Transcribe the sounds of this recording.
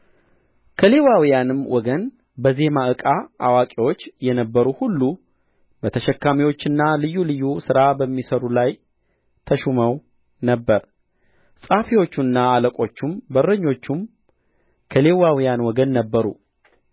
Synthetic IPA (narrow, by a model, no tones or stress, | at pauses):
kʰəle̞wawijanɨmwʔɔɡən | bəze̞maʔɨkʼaa̰wakʼiwo̞t͡ʃːjɛnəbːəɾuhulːu | b̥ət̪ʰəʃɛkːamiwo̞t͡ʃːɨnːalɨjːulɨjːusɨɾabəmːisəɾulaj | t̪ʰəʃuməw | nəbːəɾ | sʼafiwo̞t͡ʃːunːaːləkʼo̞t͡ʃːumbərəɲːo̞t͡ʃːum | kʰəle̞wawijanwɔɡənːəbːəɾṵ